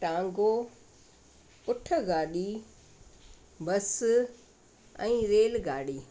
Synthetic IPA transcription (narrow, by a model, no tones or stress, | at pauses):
ʈãːŋɡo | ʊʈʰə̆ɡaːɗi | bɐs | ɛ̃ːɾeːlɡaːɗiː